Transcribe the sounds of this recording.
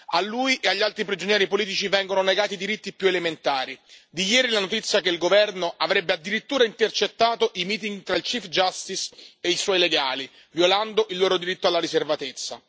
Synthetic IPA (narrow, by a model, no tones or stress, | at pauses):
alːuːjʔeaʎːalt̪ɾipɾid͡ʒonjɛːɾipoliːt̪̬it͡ʃivɛŋɡononeɡaːt̪id̪iɾit̪ːipjuelement̪aːɾid̪ijɛːɾilanot̪it̪sːjakeilɡovɛrnoʔavɾɛbːead̪ːiɾit̪ːuːɾaint̪ert͡ʃet̪ːaːt̪oʔimiːt̪̬iŋɡt̪ɾailt͡ʃifd͡ʒast̪iseiswɔjleɡaːli | vjoland̪oʔilːoːɾod̪iɾit̪ːoalːaɾiservat̪et̪sːa̰